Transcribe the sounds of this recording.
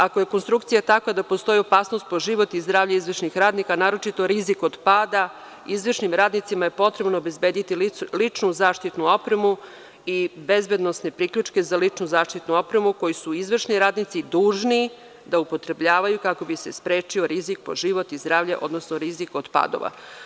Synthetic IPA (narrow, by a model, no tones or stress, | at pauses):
akoje̞konst̪ɾukt̪sijat̪akʋad̪apo̞st̪o̞jiopaːsnost̪̚po̞ʒiʋo̞t̪izd̪ɾaːvʎaizʋrʃnixɾaːd̪nikanaːɾo̞t͡ʃit̪o̞ɾizikod̪paːd̪a | izʋr̩ʃnimɾaːd̪nit̪simaje̞po̞t̪ɾe̞bnoobe̞zbe̞ːd̪it̪ililit͡ʃnuzaːʃt̪it̪nuo̞pɾemu | ibe̞zbed̪no̞sne̞pɾikʎut͡ʃke̞zalit͡ʃnuzaːʃt̪it̪nuo̞pɾe̞muko̞jisuizʋr̩ʃniɾaːd̪nit̪sid̪uːʒni | d̪aupo̞t̪ɾe̞bʎaːʋajukako̞bise̞spɾeːt͡ʃioɾizik̚poʒiʋo̞t̪izd̪ɾaːvʎaʔo̞̰d̪nosnoɾizikod̪pa̰ːd̪o̰ʋa̰